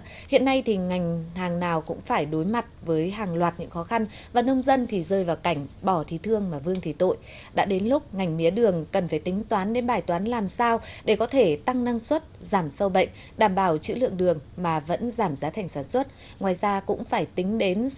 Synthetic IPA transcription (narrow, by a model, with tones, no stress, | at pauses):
hḭ˧˨ənːa˧jt̪ʰi˨˩ŋa˨˩jŋ̟haː˨˩ŋnaː˨˩wkʊ̰˧˥ŋ͡mfaː˧˩jɗo˨˦jma˨˩t̚vəː˨˦jɦaː˨˩ŋlwaː˨˩t̚ɲɨ̰˧˥ŋxɔ˨˦xa˧nvaː˨˩nə˧wŋ͡mzə˧nt̪ʰi˨˩zəː˧jvaː˨˩wka˧˩jŋ̟ɓɔ˧˩t̪ʰi˨˩˦t̪ʰɨ˧əŋmaː˨˩vɨ˧əŋt̪ʰi˧˩t̪o̰˧˨j | ɗa̰ː˧˥ɗe˨˦nlʊ˦˥k͡p̚ŋa˨˩jŋ̟mi˨˦əɗɨ˨˩əŋkə˨˩nfaː˧˩jt̪ï˨˦ŋ̟t̪waː˨˦nɗe˨˦nɓaː˧˩jt̪waː˨˦nlaː˨˩msaː˧wɗe˧˩kɔ˨˦t̪ʰe˧˩t̪a˧ŋna˧ŋswə˦˥t̚zaː˧˩msə˧wɓə̰˧˨jŋ̟ | ɗaː˧˩mɓaː˧˩wt͡ɕɨ̰˧˥lɨ̰˧˨əŋɗɨ˨˩əŋmaː˨˩və̰˧˥nzaː˧˩mzaː˨˦t̪ʰa˨˩jŋ̟saː˧˩nswə˦˥t̚ | ŋwaː˨˩jzaː˧kʊ̰˧˥ŋ͡mfaː˧˩jt̪ï˨˦ŋ̟ɗe˨˦n